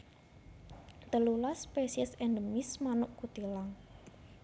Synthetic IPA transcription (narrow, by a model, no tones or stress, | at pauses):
t̪əlulaspesiɛsend̪əmismanʊʔkut̪ilaŋ